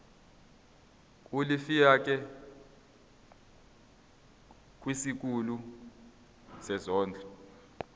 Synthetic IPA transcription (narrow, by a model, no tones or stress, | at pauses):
kʼulifijak̬ʼɛ | kʼwisik̬ʼulu | sɛzɔːnd͡ɮʱɔ